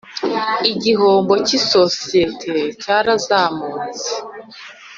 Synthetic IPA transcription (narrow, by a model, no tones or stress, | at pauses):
iɟiɦoːmbo̞ciso̞sije̞tʰecaɾazaːmuːnze